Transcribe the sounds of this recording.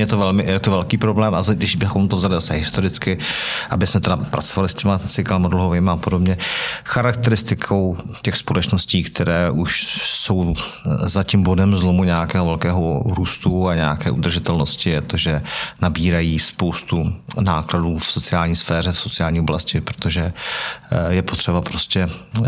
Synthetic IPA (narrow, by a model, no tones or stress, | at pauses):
jɛt̪ovɛlmɪjɛt̪ovɛlkiːpɾoblɛːmʔaɡdɪʃbɪxomt̪ovzalɪzasɛɦɪst̪oɾɪt͡skɪʔabɪsmɛt̪ɛdapɾa̰t͡sovalɪscɛmat͡sɪkalamadluɦovɪːmaːpodobɲɛxaɾakt̪ɛɾɪst̪ɪkʰo̞wcɛxspolɛt͡ʃnosciːkt̪ʰɛɾɛːʔuʃso̞wzacimbo̞dɛmzlo̞muɲɛjakɛːɦovɛlkɛːɦoɾuːst̪uaɲɛjakɛːʔud̪r̩ʒɪt̪ɛlno̞scɪjɛt̪o̞ʒɛnabiːɾajiːspo̞wst̪unaːkladuːfso̞t͡sɪaːlɲiːsfɛːr̝ɛfso̞t͡sɪaːlɲiːoblascɪpɾot̪oʒɛ | jɛpo̞t̪r̥ɛbapɾo̞scɛ